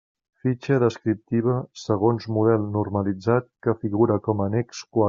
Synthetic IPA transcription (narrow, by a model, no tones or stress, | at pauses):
fit͡ʃəðəskɾip̚t̪iβ̞əsəɣ̞onzmuðɛlˠnurməlid͡zat̪̚kəfiɣuɾəkɔmənɛkskwa